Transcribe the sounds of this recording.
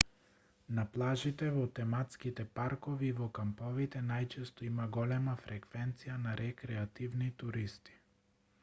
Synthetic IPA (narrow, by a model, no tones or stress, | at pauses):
naplˠaʒit̪ɛvɔt̪ɛmat̪skit̪ɛpaɾkɔviːvɔkampɔvit̪ɛnajt͡ʃɛst̪ɔimaɡɔlɛmafɾɛkvɛnt̪sijanaɾʔɛkɾɛat̪ivnit̪uɾist̪i̥